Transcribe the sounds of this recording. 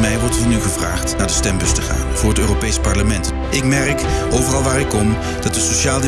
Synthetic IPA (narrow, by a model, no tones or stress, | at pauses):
mɛjʋɔɹtvɑnyχəvraːχtnaːɹdəstɛmbɵstəχa̰ːnv̥ʊːɹətøːropejspɑɹləmɛnt | ʔɪkmɛrkʔowvərɑlˠʋaːɾɪkːɔm | d̥ɑtdəsoʃaːlˠd